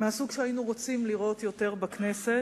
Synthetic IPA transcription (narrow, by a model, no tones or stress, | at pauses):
measuɡʃeajinuʁo̞t͡simliʁo̞t̪jo̞te̞ʁbakne̞se